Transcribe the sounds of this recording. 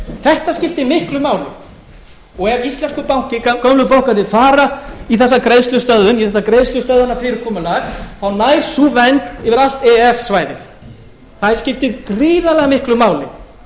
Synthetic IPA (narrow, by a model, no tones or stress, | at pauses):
θɛht̪ascɪft̪ɪmɪhklʏmaːwlɪ̰ | ɔɣɛvist̪lɛnskʏpawŋ̥cɪkœmlʏpawhkaðɪfaːɾaiθɛsːakɾejðst̪lʏst̪œððʏniθɛht̪ːakɾejðst̪lʏst̪œðʏnːafɪɾɪɾ̥kʰɔːmʏlaɾθawnaːjɾsuvɛnt̪ɪvɪɾal̥t̪ɛɛsːvaːjðɪθ | θaðɪɾ̥scɪft̪ɪkɾiːðalɛɣamɪhklʏmaːwlɪ̰